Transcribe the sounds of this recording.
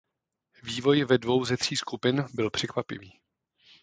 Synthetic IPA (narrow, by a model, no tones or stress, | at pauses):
viːvo̞jvɛdvo̞wzɛt̪r̝̥iːskupɪnbɪlpr̥ɛkvapɪ̰viː